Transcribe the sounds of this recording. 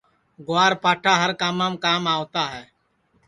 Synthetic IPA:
ɡʊaːɾpaːʈʰaːɦəɾkaːmaːmkaːmaːʋt̪aːɦɛː

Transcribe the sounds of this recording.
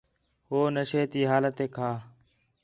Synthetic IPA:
ɦoːnəʃeːt̪iːɦaːlət̪eːkʰaː

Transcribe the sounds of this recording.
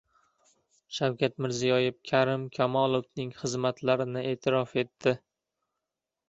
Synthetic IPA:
ʃawkʲat̪mɪɾzijɒjɪfkʲʰaɾɪmkʲʰamɒlˠofnɪŋχɨzmat̪ʰlaɾɪnɪe̞ːt̪ʰɪɾɒfe̞t̪ːɪ

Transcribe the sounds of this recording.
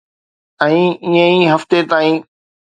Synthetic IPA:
ɛ̃ːɪə̃iɦɐft̪et̪aːĩː

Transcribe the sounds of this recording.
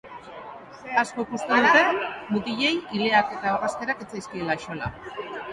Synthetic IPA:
asko̞ikust̪eðut̪e̞nmut̪iʎe̞jile̞ake̞t̪aorast̪e̞ɾaket͡sajskie̞laʃola̰

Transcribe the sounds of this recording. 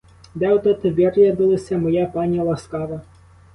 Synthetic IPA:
d̪ɛwt̪ɐt̪ɪʋʲirjɐd̪ɪlˠɐsʲɐmɔjapɑnʲjɐlˠɐskɑʋɐ

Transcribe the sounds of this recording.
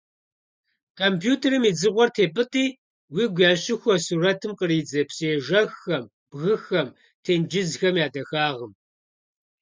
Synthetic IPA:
kʰompʰjuːtʰeɾɨmiːd͡zɨʁʷɔrtʰeːbɨtʼiː | wiːɡʷaːɕɪxʷɔsuːɾɐtʰɨmqəɾiːd͡zɐpɕʼeːʒɐxːɐm | b̥ɣɨxɐm | tʰeːnd͡ʒɪzxɐmjaːdɐxaːʁəm

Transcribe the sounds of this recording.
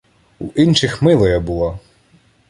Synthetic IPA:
ṵʔinʃɪxmɪlˠɐjɐbulˠa

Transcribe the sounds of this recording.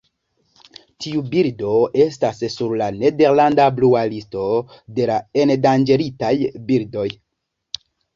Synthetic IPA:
tiubiɾdo̞e̞stasːuɾlane̞de̞ɾlandablualisto̞de̞lae̞ndand͡ʒe̞ɾitajbildo̞j

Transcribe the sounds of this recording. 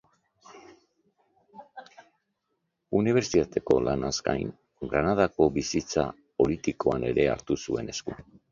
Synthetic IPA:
uniβ̞e̞ɾsit̪at̪e̞ko̞̰lanazka̰jŋ | ɡɾanað̞ako̞bisit͡sa̰ | po̞lit̪iko̞ane̞ɾe̞a̰ɾt̪usue̞ne̞sku

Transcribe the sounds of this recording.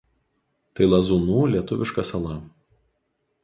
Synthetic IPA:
t̪ɐɪlˠɐzunuːlʲiɛt̪ʊʋʲɪʃkɐsɐlˠɐ

